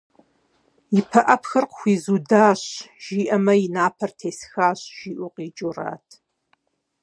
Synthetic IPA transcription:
ipʰɐʔɐpʰxɐrqxʷiːzuːdaːɕʒ̥iːʔɐmɐjinaːpʰɐrtʰeːsxaːɕʒ̥iːʔʊqiːt͡ʃʼura̰ːtʰ

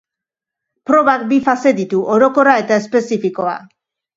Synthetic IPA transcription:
pɾo̞βak̚bifase̞d̪it̪uʔo̞ɾo̞ko̞rae̞t̪ae̞spe̞sifiko̞a̰

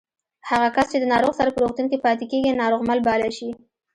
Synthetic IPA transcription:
haɣakast͡ʃed̪ənɑɾoɣsaɾapəɾoxt̪unkepɑt̪ekeɡinɑɾoɣmalbɑlaʃi

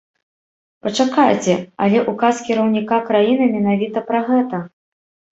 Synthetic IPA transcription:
pɐt͡ʂakajt͡sʲɛɐ̰lʲɛʔukaskʲiɾɐwnʲikakɾajinɨmʲɛn̪avʲit̪ɐpɾɐɣɛt̪ɐ

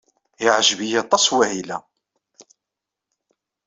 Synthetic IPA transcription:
jəʕʒəbijæt̪ˤːɑsˤwæhilæ

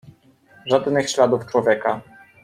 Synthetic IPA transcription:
ʐad̪nɘxɕlad̪uft͡ʂwɔvʲjɛka

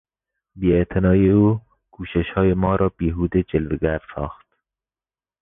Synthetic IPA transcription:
biet̪ʰɪnɒːiuː | kʰuːʃeʃhɒːjemɒːɾɒːbiːɦuːd̪ed͡ʒelveɡæɾsɑ̰ːxt̪̚

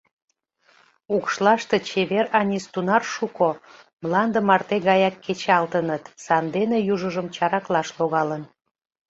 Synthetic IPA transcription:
ukʃlɑʃt̪e̽t͡ɕeβeɾɑnʲist̪unɑrʃuko | mlɑnd̪əmɑrt̪eɣɑjɑkːet͡ɕɑlt̪ənət̪sɑnd̪enejuʒəʒəmt͡ɕɑɾɑklɑʃloɣɑlən

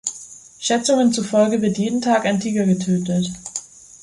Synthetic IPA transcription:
ʃɛt͡sʊŋənt͡sufɔlɡəvɪɐtjeːdn̩tʰaːkaɪntʰiːɡɐɡətʰøːtət

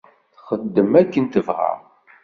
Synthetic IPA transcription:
θχəd̪ːəmækːənt̪əvʁə̰ʁ

